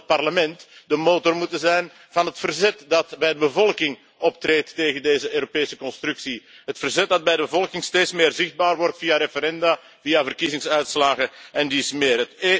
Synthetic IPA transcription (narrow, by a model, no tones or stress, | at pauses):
t̚pɑrləmɛntdəmoːtɔrmutənzɛjn | v̥ɑnɦətfərzɛtdɑtbɛjdəbəvɔlˠkɪŋ | ɔptreːtːeːɣəndeːzəʔøːɾopeːsəkɔnstrʉksiɦətfərzɛt̚dɑd̚bɛjdəbəvɔlˠkɪŋsteːtsmɪːrzɪxd̚baːrʋɔrtfijaɾefəɾɛnda | vijavərkizɪŋsœɥtslaːɣəɛndismɪːrət